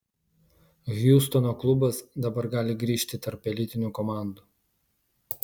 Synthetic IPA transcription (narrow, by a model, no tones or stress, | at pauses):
ɣʲjuːst̪ɔnoːklˠʊbɐsd̪ɐbɐɾɡɑːlʲɪɡɾʲiːʃʲt̪ʲɪt̪ɐɾpːʲɛlʲɪt̪ʲɪnʲuːkɔmɑˑnd̪u